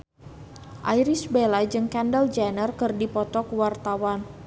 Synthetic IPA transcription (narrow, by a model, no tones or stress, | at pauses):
ʔajɾisbelad͡ʒɨŋkandəld͡ʒanərkɨrdipɔt̪ɔkwart̪awan